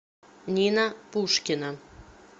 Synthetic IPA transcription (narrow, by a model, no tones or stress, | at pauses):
nʲinapuʃkʲina